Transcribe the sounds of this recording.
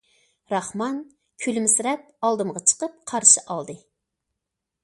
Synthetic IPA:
ɾɑχmɑn | kʲʰylmɪsɾɛp̚ɑlˠd̪ɨmʁɑt͡ʃʰə̥qəp̚qʰɑɾʃɨʔɑlˠd̪ɨ

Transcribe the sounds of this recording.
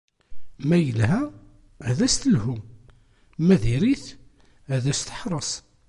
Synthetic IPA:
mæjəlhæ | ðæst̪əlhum | mæðiɾiθ | ðæst̪ə̥ħɾˤəsˤ

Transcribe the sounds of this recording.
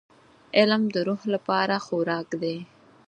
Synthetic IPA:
ɪlmd̪əɾuhlapɑɾaxoɾɑkd̪e

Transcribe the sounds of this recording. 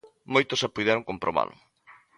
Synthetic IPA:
mojt̪osapujðɛɾoŋkompɾoβa̰lʊ

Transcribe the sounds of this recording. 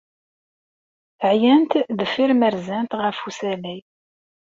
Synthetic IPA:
əʕjænt̪ðəfːiɾməɾzænt̪ʁəfusænij

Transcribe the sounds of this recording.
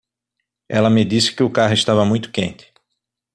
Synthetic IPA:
ɛlɐmɪd̪isɪ̥kɪʊkaɦʊɪst̪avɐmũj̃t̪ʊ̥kẽnt̪ɪ̥

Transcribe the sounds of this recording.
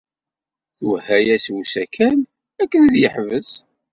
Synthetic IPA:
θuhæjæswusækʰæn | ækːənðjəħvəz

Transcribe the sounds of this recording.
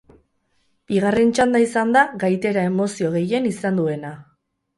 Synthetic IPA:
b̥iɣ̞arent͡ʃand̪aisand̪aɣajt̪e̞ɾae̞mo̞sio̞ɣ̞e̞je̞nisand̪ue̞na

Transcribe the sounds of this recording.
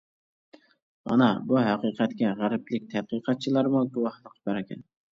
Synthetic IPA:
mɑ̰nɑbuɦæqiqʰæt̪kʲɛʁæɾɪplɪk̚ʲt̪ʰæqiqʰɑt̪̚t͡ʃʰilˠɑɾmuɡuwɑhlˠəqʰːbæɾɪkʲɛ̰n

